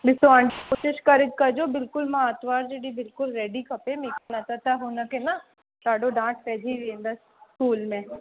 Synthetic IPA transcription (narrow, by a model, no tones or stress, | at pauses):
lɪsoãɳɖikoːʃɪʃkɐɾɪt̪kɐd͡ʒoːbɪlkʊlmaat̪ʋaːɾd͡ʒeːɽibɪlkʊlɾɛːɖikɐpemekenat̪at̪aɦoːnakena | t̪aːɖõɖãːʈ̚ʰpɛːd͡ʒʱiɾeẽnd̪a | kuːlmẽː